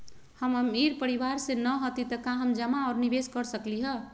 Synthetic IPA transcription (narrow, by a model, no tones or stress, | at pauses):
həmmiɾpəɾiʋaɾsẽnəɦot̪it̪əkãɦəmd͡ʒəmaɔɾnibeskəɾsəkliɦə